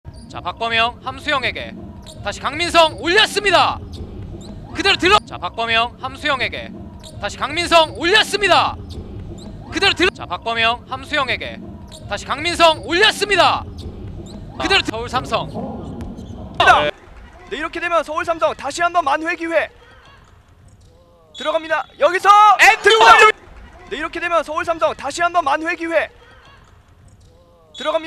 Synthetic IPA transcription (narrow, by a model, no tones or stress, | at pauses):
t͡ɕa̰pak̚p͈ʌmjʌŋhamsʰujʌŋe̞ɡe̞̰ | taɕʰi̥kaŋminsʰʌŋʎːas͈ɯɲida | kɯdeɾotɯɾʌt͡ɕa̰pak̚p͈ʌmjʌŋhamsʰujʌŋe̞ɡe̞̰ | taɕʰi̥kaŋmins̬ʰʌŋoʎːas͈ɯmɲida | kɯde̞ɾotɯt͡ɕa̰pak̚p͈ʌmjʌŋhamsʰujʌŋe̞ɡe̞̰ | taɕʰi̥kaŋmins̬ʰʌŋoʎːs͈ɯmɲida | kɯdeɾotʰʌuɭsʰamsʰʌŋ | dane̞iɾʌkʰe̞dwemjʌnsʰʌuɭs̬ʰamsʰʌŋtaɕʰiɦanbʌnmanɸweɡiwe̞ | tɯɾʌɣamɲidajʌɡisʰʌetʰɯ | ne̞iɾʌkʰe̞dwemjʌnsʰʌuɭs̬ʰamsʰʌŋtaɕʰiɦanbʌnmanɸweɡiwe̞ | tɯɾʌɣamɲi